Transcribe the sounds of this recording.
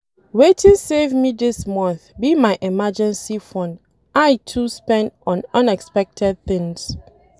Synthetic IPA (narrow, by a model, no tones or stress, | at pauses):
wetʰĩnsevmiðɪsmʌ̃nθbimaɪʔɛmad͡ʒɛ̃nsifɔ̃nd | ʔaɪtʰuspɛ̃ntɔ̃nʌ̃nɛkspɛk̚tʰɛd̚θɪ̃ŋs